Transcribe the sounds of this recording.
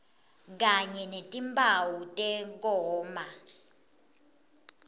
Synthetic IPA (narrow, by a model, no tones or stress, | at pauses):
k̬aɲɛnetʼimbʰʱʼawutʼɛk̬ɔːma